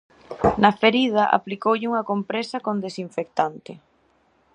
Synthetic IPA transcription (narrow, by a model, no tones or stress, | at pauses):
nɐfeɾið̞aʔa̰plikowʎɪuŋɐkompɾesɐkõnd̪esiɱfek̚t̪ant̪ɪ